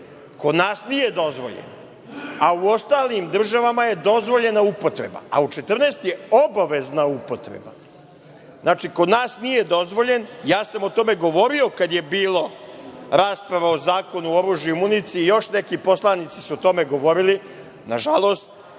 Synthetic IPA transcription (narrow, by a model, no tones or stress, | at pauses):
ko̞d̪naːsnije̞d̪o̞zʋo̞̰ʎḛn | auo̞st̪aːlimd̪r̩ʒaʋamaje̞d̪o̞zʋo̞ʎe̞naupo̞t̪ɾḛba̰a̰ut͡ʂet̪r̩neːst̪jeo̞baʋe̞znaupot̪ɾḛba̰ | znaːt͡ʃiko̞d̪naːsnije̞d̪o̞zʋo̞ʎe̞njaːsamot̪o̞me̞ɡo̞ʋo̞ɾio̞kad̪je̞biːlˠoɾaːspɾaʋaozaːko̞nuoɾuʒjumunit̪siːjo̞ʃnekipo̞slˠanit̪si̥suot̪o̞me̞ɡo̞ʋo̞ɾili | naʒalˠo̞ːst̪̚